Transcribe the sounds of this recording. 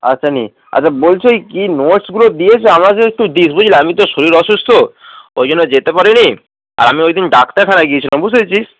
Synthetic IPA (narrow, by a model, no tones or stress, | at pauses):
a̰tːɕʰanḭ | a̰t͡ɕʰabolt͡ɕʰejkinoʈsɡulod̪ijet͡ɕʰeamak̬eek̚ʈud̪is̬bod͡ʑʱilaamit̪̬oʃoɾiɾɔʃust̪ʰoojd͡ʑonːod͡ʑet̪epaɾini | a̰ɾamiojd̪inɖakt̪aɾkʰanaɡiet͡ɕʰilambud͡ʑet͡ɕʰis